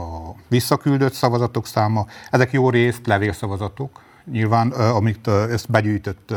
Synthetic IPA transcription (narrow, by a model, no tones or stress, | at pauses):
ɒʋisːɒkyld̪øt̪sɒvɒzɒt̪o̞ksaːmɒɛzɛkjoːreːst̪lɛveːksɒvɒzɒt̪o̞k | ɲilvaːnɒmitøst̪bɛɟyːjt̪øt̪ː